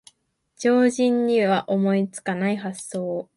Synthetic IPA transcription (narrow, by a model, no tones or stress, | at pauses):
d͡ʑo̞ːʑĩɲ̟ːiβaʔo̞mo̞it͡sɨ̥kanaiɦasːo̞ː